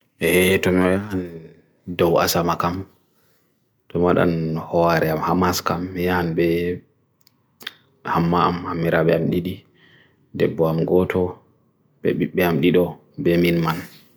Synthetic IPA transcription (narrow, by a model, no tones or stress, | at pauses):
hɛtɔmiwajan | dɔwa̰samakam | tɔmaɗa̰nhɔwaɾɛamhamaskamːijanbɛ | hamːaamhamːiɾaɓɛamɗiɗi | dɛbːɔamɡɔtʰɔ | ɓɛ̰ɓiɓːɛamɗiɗɔ | bɛminman